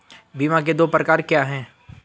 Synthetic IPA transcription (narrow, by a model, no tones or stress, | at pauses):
biːmãk̬ed̪oːpɾɐkaːɾkjaːɦɛ̃ː